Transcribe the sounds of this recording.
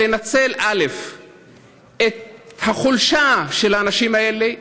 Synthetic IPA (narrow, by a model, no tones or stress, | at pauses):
enat͡se̞lʔale̞f | et̪̚haχulʃaʃelhaːnaʃimaele